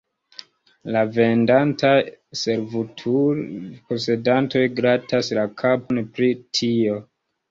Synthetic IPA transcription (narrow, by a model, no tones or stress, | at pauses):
lave̞ndantase̞ɾvutʰupose̞danto̞jɡɾataslakʰaponpɾitʰio̞